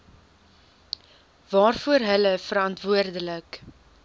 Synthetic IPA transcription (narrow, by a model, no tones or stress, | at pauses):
vɑːrfuərɦələfəɾɐntvuərdələk